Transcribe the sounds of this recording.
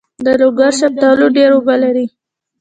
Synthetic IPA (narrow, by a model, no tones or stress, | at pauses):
d̪əloɡaɾʃab̚t̪ɑloɖeɾobalaɾi